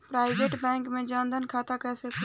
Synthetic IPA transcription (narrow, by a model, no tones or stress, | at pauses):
pɾaːɪʋeːʈbɛ̃ːŋkmẽd͡ʒãːnd̪ʱənkʰaːt̪akɛːsekʰ